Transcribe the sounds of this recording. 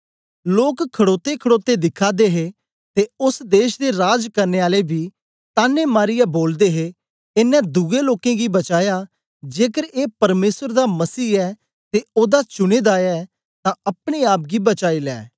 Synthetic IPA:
loːkkʰːɐɽoːt̪ekʰəɽoːt̪ed̪ɪkʰaːd̪eːɦe | t̪eʊsd̪eːʃd̪eɾaːd͡ʒkɐɾneːaːlebʱiː | t̪aːnemaːɾɪjaboːld̪eːɦe | ɪnɛ̃d̪uːeloːkẽɡibɐt͡ʃaːja | d͡ʒeːkəɾeːpɐɾmeːsəɾd̪amɐsiːɛː | t̪eoːd̪at͡ʃʊɽ̃eːd̪aːɛː | t̪ãɐpɽ̃eaːp̚ɡibɐt͡ʃaːilɛ̰ː

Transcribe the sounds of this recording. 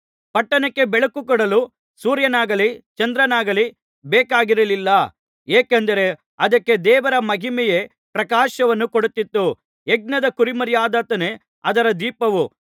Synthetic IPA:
pɐʈːɐnɐkːe̞bɛɭɐkukɔɽɐlu | suːɾjɐnaːɡɐlit͡ʃɐnd̪ɾɐnaːɡɐli | bɛːkaːɡiɾɐlilːɐ | eːkend̪ɐɾe̞ | ɐd̪ɐkːe̞d̪ɛːʋɐɾɐmɐɦimɛje | pɾɐkaːʃɐʋɐnːukoɽut̪ːit̪ːu | eɡ̚nɐd̪ɐkuɾimɐɾjaːd̪aːt̪ɐne̞ | ɐd̪ɐɾɐd̪iːpɐʋu

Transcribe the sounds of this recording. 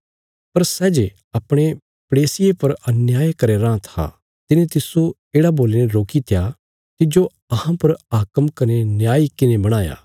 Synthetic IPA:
pɐɾsɛːd͡ʒe | ɐpɽ̃e | pɽeːsɪjepɐɾɐnjaːjkɐɾeɾãːt̪ʰa̰ | t̪ɪnẽt̪ɪso | eːɽaboːlenẽɾoːkit̪ʰɪja | t̪ɪd͡ʒo | ɐhãpɐɾaːkəmkɐnenjaːikɪnebɐɽ̃aːja̰ː

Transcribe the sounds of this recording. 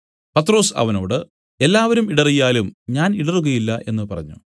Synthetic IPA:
pɐt̪ːro̞ːsɐ̰ʋɐno̞ːɽɨ | e̞lːaːʋɐɾumiɽɐrijaːlumɲaːniɽɐruɣɐjilːɐʔe̞̰nːɨpɐrɐ̰ɲːṵ

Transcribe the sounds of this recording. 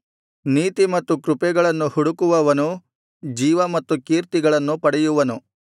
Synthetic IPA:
niːt̪imɐt̪ːukɾupɛɡɐɭɐnːuhuɽukuʋɐʋɐnu | d͡ʒiːʋɐmɐt̪ːukiːɾt̪iɡɐɭɐnːupɐɽɛjuʋɐnu

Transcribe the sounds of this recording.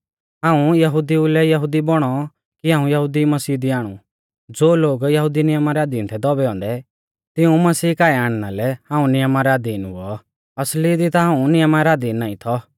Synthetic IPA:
ɦãːũjɐɦud̪iulɛjɐɦʊd̪ibɔɽ̃ɔ | kiɦãːũjɐɦud̪imɐsiːd̪iaːɽ̃ṵ | d͡zoːloːɡjɐɦʊd̪inɪjəmaɾɛaːd̪int̪ʰɛd̪ɔbɛɔ̃ːnd̪ɛ | t̪ɪũmɐsiːkaːiaːɽ̃nalɛhãːũnɪjəmaɾɛaːd̪inṵɔ | ɐslid̪it̪aɦãːũnɪjəmaɾɛaːd̪inːaːĩt̪ʰɔ

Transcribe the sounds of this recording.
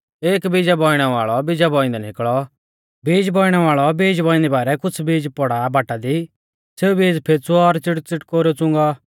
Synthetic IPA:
eːkbid͡ʒabɔːiɽ̃ɛʋa̰ːɭɔbɪd͡ʒabɔːɪ̃nd̪ɛnɪkɭɔ | biːd͡ʒbɔːɪɽ̃ɛʋaːɭɔbiːd͡ʒbɔːɪ̃nd̪ɛbaːɾɛkʊt͡sʰbiːd͡ʒpɔɽabʱaːʈːad̪i | seːubiːd͡ʒpʰeːt͡sʰuɔɾt͡sɪʈt͡sɪʈkoːɾot͡sʊ̃ŋɡa

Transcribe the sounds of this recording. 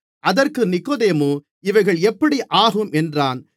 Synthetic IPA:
ʔɐðɐrkɯnɪkːoːðeːmoː | ɪʋɐɪɣɐɭɛpːɐɽiʔaːɣɯmʔɛndraːn

